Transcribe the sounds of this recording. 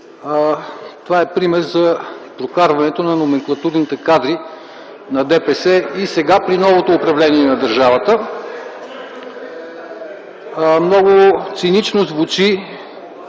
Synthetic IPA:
t̪ovaɛpɾimɛɾzɐpɾokaɾvɐnɛt̪onɐnomɛŋklˠɐt̪uɾnit̪ɛkad̪ɾi | nɐd̪ɛpɛsɛisɛɡapɾinɔvot̪oːpɾɐvlɛniɛnɐd̪əɾʒavət̪ə | mnɔɡʊt̪sinit͡ʃnozvut͡ʃi

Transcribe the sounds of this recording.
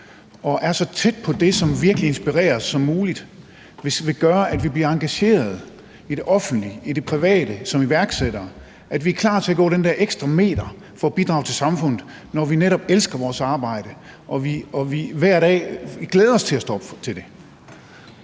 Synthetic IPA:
ɒ̽ʔæɐsɒ̽t͡sʰed̥̚pʰɒ̽d̥e̝sɒ̽mʋiɐɡ̥əlie̝nsb̥iʁɛ̰ːɐsːɒ̽mːuːlid̥ | ʋe̝sʋe̝ɡ̥ɶːɐʔæd̥ʋib̥liɐɑ̈ŋɡ̥æɕe̝̰ːɐð̞̩ˠ | id̥e̝ʔɒ̽fn̩d̥liid̥e̝pʰʁiʋɛ̰ːd̥əsɒ̽miʋæɐɡ̥sed̥ɐː | ʔæd̥ʋiæɐkʰlɑ̰̈ːt͡sʰe̝æɡ̥ɔ̰ːɾ̥end̥ɛɐʔeɡ̥sd̥ʁɑme̝̰ːd̥ɐ | fɒ̽ːb̥id̥ʁɑ̈ʊt͡sʰe̝lsɑ̈mfɔ̽n̰ð̩ˠ | nɒʋineɾɒ̽b̥elsɡ̥ɐʋɒːsɑ̈ːb̥ɑ̈ɪ̰ɾ̥ə | ʔɒ̽ʋiɒʋiʋæɐ̰ɾ̥ɛ̰ːɡ̥leːð̞ˠɐɒ̽st͡sʰe̝læsd̥ɒ̽b̥t͡sʰe̝ld̥e̝

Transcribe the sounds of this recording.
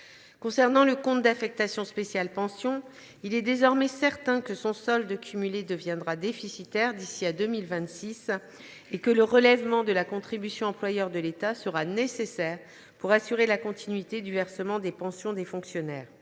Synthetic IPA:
kɔ̃sɛʁnɑ̃ləkɔ̃t̪̚d̪afɛk̚t̪asjɔ̃spesjalpɑ̃sjɔ̃ | ilɛd̪ezɔʁmɛsɛʁt̪ɛ̃kəsɔ̃sɔld̪əkʲʰymyled̪əvjɛ̃d̪ʁad̪efisit̪ɛʁd̪isiad̪əmilvɛ̃t̪sis | ekələʁəlɛvmɑ̃d̪əlakɔ̃t̪χibysjɔ̃ɑ̃plwajœʁd̪əlet̪asəʁanesesɛːʁ | puʁasyʁelakɔ̃t̪ʰinɥit̪ed̪yvɛʁsəmɑ̃d̪epɑ̃sjɔ̃d̪efɔ̃ksjɔnɛːʁ

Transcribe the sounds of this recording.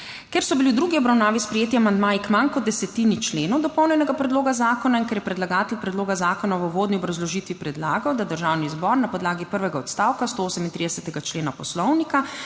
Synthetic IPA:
kɛɾsɔbiliwd̪ɾuːɡiɔbɾawnaːʋispɾɛjeːt̪iamand̪maːjikmankɔd̪ːɛsɛt̪init͡ʃleːnɔwd̪ɔpɔwnʲɛnɛɡapɾɛd̪loːɡazaːkɔnainkɛɾjɛpɾɛd̪laɡaːt̪ɛlpɾɛd̪loːɡazaːkɔnawoʋoːd̪niɔbɾazlɔʒit̪ʋipɾɛd̪laːɡawd̪ad̪əɾʒaːwnizbɔɾnapɔd̪laːɡipəɾʋɛɡaɔt̪st̪aːwkast̪ooːsɛmint̪ɾid̪ɛsɛt̪ɛɡat͡ʃleːnapɔslɔwnika

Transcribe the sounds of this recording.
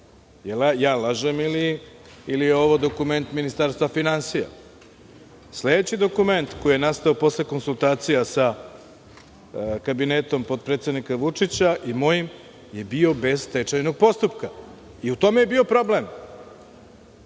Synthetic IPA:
jelajaːlaʒemiliː | lijeo̞ʋo̞d̪o̞kume̞nt̪minist̪aɾst̪ʋafinansija̰ | sle̞d̪et͡ɕid̪o̞kume̞nt̪ko̞jijenast̪aopo̞sleko̞nsult̪aːt̪sijasa | kabinet̪o̞mpo̞d̪̚pɾet̪sed̪nikaʋut͡ʂit͡ɕaʔimo̞jim | je̞bio̞be̞zt̪et͡ʂajno̞ɡ̚po̞st̪upka | iut̪o̞mejebio̞pɾo̞ble̞m

